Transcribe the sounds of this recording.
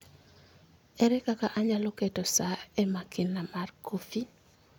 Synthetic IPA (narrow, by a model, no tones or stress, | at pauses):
ɛɾɛkakaʔaɲalɔketɔsaɛmakɪnːamarkofi